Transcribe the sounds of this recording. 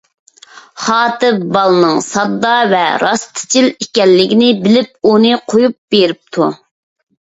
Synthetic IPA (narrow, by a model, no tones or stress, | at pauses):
χɑːt̪ɨbɑlˠnɨŋsɑd̪ːɑvɛ̰ɾɑst̪ʰɪ̥t͡ʃʰilikʲɛlːɪɡʲinɪbɪlɪp̚unɨqʰojup̚b̥eɾɪp̚t̪ʰu